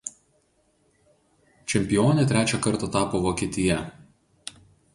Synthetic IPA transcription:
t͡ʃʲɛmʲpʲɪjoːnʲɛt̪ʲɾʲæːt͡ʃʲɛkɐɾˑt̪ɐt̪ɑːpoʋokʲiːt̪ʲɪjɛ

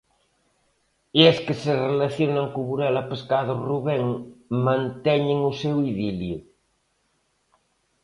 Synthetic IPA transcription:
eskeserelaθjonaŋkuβuɾɛlapeskaðoruβeŋmãnt̪ɛɲeŋusewiðilju

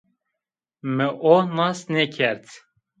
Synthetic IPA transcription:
mɨʔonɑsnɛkʰɛɾt̪ʰ

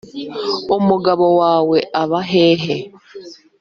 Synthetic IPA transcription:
omuɡaβowaːweʔaβaɦeːɦe

